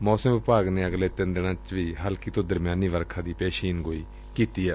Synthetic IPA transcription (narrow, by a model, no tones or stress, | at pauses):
mɔːsəmʋɪpaːɡneːəɡleːt̪ɪnd̪ɪɽ̃ãːt͡ʃʋiːɦaːlkit̪õːd̪əɾmjaːniːʋəɾkʰãːd̪iːpɛːʃiːnɡoːiː | kiːt̪iːɛː